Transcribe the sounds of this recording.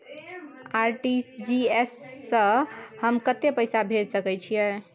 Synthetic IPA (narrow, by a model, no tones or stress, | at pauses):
aɾʈisd͡ʒiesːə̃həmkət̪epəjsabʱeɾsəkɛt͡ʃʰijɛ